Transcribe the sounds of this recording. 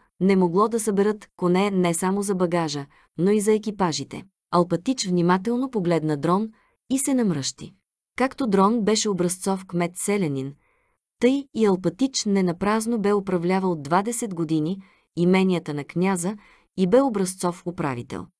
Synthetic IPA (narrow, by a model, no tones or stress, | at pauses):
nɛmoɡlˠɔd̪ɐsəbɛɾɤt̪konɛnɛsamozɐbɐɡaʒə | noizɐɛkipaʒit̪ɛ̰ | ɐlˠpɐt̪it͡ʃvnimat̪ɛlˠnopoɡlɛd̪nɐd̪ɾɔn | isɛnɐmɾɤʃt̪ḭ | kakt̪od̪ɾɔnbɛʃɛobɾɐst̪sɔfkmɛt̪sɛlɛnin | t̪ɤjiɐlˠpɐt̪it͡ʃnɛnɐpɾaznobɛopɾɐvlʲavəlˠod̪vad̪ɛsɛd̪ɡod̪iniː | mɛnʲijət̪ənɐknʲazə | ibɛobɾɐst̪sɔfopɾa̰vḭt̪ɛ̰lˠ